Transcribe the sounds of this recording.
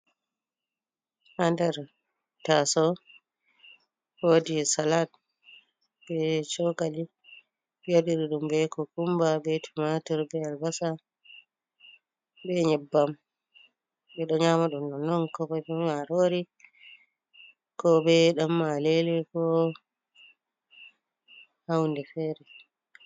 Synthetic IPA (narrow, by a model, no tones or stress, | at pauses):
handɛɾ | tasɔ | odisalat̚ | bɛt͡ʃɔkali | joɗiɗiɗumbɛkɔkumbabɛtʰumatɔɾbɛalbasa | bɛɲɛbːam | bɛɗɔɲaːmaɗɔnːɔnɔnkɔbɔbɛaɾoːɾi | kɔbɛɗamːalɛlɛkɔ | hawndɛfɛːɾɛ